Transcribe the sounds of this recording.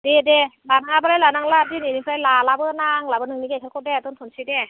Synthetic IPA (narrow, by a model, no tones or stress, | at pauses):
dedebanaŋabalalanaŋladininipʰɯajlalabɯnaŋlabɯnɯŋnikakʰakɔdɛt̪ontʰonsʰɯdɛ